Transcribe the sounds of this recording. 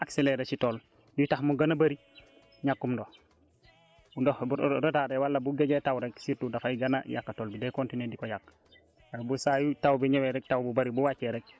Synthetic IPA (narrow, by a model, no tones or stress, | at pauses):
akseleɾesitol | dutahmuɡanabaɾi | ɲakːumdo | dobudotaɾewalːabuɡeɟetawɾeksiɾtudafaiɡana̰ja̰kːatolbidekontinedikojak̚ | ebusajutawbiɲeweɾek̚tawbubaɾibuwat͡ʃeɾek̚